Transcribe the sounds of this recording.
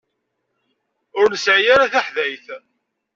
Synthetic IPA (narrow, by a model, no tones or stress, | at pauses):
ʊɾnəsʕijaɾaθaħðæjθ